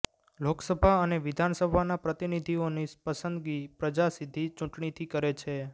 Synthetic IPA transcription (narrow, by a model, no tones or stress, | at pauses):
loksəbʱaəneʋid̪ʱansəbʱanapɾət̪inid̪ʱionispəsənd̪ɡipɾəd͡ʒasid̪ʱit͡ʃũʈɳit̪ʰikəɾet͡ʃʰe